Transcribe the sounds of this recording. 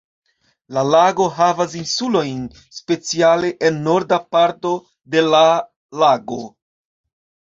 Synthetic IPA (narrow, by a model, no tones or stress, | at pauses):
lalaɡo̞ɦavas̬insulo̞jn | spe̞t͡siale̞ʔenːo̞ɾdapaɾto̞ | de̞la | laɡo̞